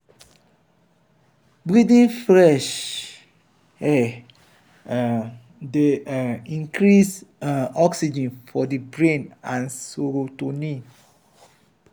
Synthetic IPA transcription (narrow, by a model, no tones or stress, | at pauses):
bɹidĩnfɹɛʃ | ɛ | deĩŋkɹisɔksid͡ʒə̃nfɔdəbɹẽnãnsoɾotoni